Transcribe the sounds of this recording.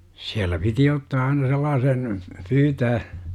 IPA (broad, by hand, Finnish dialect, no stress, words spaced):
siælˑæ piti otːɑː ɑinɑ selːɑːsen pyːtæː